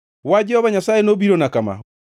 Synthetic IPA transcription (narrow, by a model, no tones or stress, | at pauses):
wad͡ʒɛhɔβaɲasaːenoβiɾonakama̰